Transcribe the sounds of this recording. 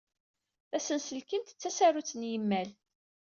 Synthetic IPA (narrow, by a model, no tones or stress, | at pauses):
θæsənsəlkənt̪ə̥t͡sːæsaɾut͡sːənjəmːæl